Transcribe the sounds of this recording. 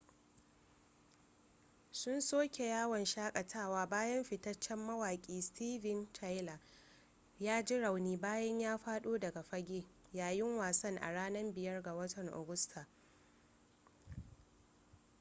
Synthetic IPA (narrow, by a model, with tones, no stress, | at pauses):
sʊ˦nsoː˦kʲe˨jaː˦wɐ˨nʃaː˦kʼɐ˨tʰaː˦˨waː˦baː˦jɐ˦mɸɪ˨tɐ˦t͡ʃːɛ˦mːɐ˦waː˨kʲʼiː˦stʰiː˦vɪ˦nt͡ʃʰa˦jla˨ | jaː˦d͡ʒɪ˦ɽa˨wniː˦baː˦jɐ˦ɲjaː˦ɸaː˦ɗoː˦dɐ˨ɡa˨ɸɐ˦ɡʲeː˦jaː˨jɪ˦ŋwaː˨sɐ˦ŋʔa̰˨ɽaː˦nɐ˦mbɪ˨jɐ˦rɡa˨wɐ˦tɐ˨ŋʔa̰˨ɡʊ˦stʰa˨